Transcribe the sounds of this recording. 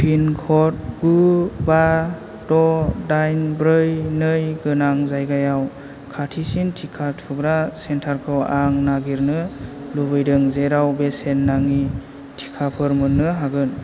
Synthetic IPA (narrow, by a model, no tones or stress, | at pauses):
pʰinkʰɔt̚ɡuba | dɔdajnbɾɯjnɯjɡɯnaŋzajɡajaw | kʰatʰisintʰikʰatʰuɡɾasentʰaɾkʰɯwaŋnaɡiɾnɯlubɯjdɯŋzeɾawbesenːaŋi | tʰi̥kʰapʰɯɾmɯnːɯɦaɡɯn